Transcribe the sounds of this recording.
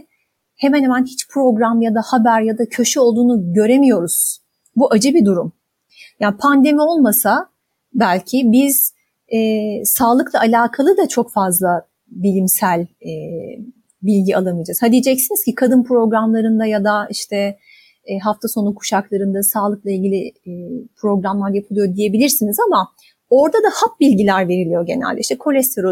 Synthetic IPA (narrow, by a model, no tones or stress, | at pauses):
he̞mænhemænhit͡ʃpʰɾo̞ɡɾamjad̪ahabæɾjad̪acʰø̞ʃɛo̞lˠd̪uːnuɟø̞ɾe̞mijo̞ɾuz̥ | buʔad͡ʒɯbid̪uɾum | jaːnpʰand̪e̞mio̞lˠmasa | bælʲcʰibiz̥ | ɛːsaːlˠɯklˠaalʲaːkʰalˠɯd̪at͡ʃʰo̞kfazlˠa | bilʲimsælʲɛ | bilʲɟia̰lˠanɯd͡ʒazhad̪ijd͡ʒɛcsiniz̥cikʰad̪ɯnpɾo̞ɡɾamlˠaɾɯnd̪ajad̪aiʃt̪ʰɛ | ɦaft̪ʰaso̞nukʰu̥ʃaklˠaɾɯnd̪asaːlˠɯk̚lˠailʲɟʲilʲipʰɾo̞ɡɾamlˠaɾjapʰɯlˠɯjo̞d̪ije̞bilʲiɾsinizama | o̞ɾd̪ad̪ahap̚bilʲɟilʲæɾve̞ɾilʲijoɟe̞næ̰lʲd̪ɛiʃt̪ɛkʰo̞lʲɛst̪ʰe̞ɾo